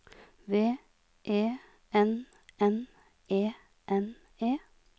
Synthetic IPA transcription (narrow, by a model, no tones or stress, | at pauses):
ʋeː | ʔeː | ʔɛn | ɛn | ʔeː | ʔɛn | eː